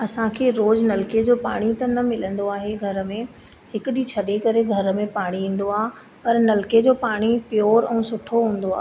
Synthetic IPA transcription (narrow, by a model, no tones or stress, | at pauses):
ɐsãkʰeːɾoːd͡ʑnɐlɪked͡ʑoːpa̰ːɽ̃it̪ɐnɐmɪlə̃nd̪oaːɦeɡʱɐɾmẽ | hɪkʊɗit͡ɕʰɐɗekɐɾeɡʱɐɾmẽpaːɽ̃iĩːn̆d̪oaːɦ | pɐɾnɐlɪked͡ʑoːpaːɽ̃ipjoːɾɛ̃ːsʊʈʰoɦũːn̆d̪oaː